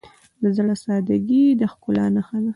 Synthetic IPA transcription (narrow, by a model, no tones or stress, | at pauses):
d̪əzɽasɑd̪aɡid̪əxkʊlɑ̰naxana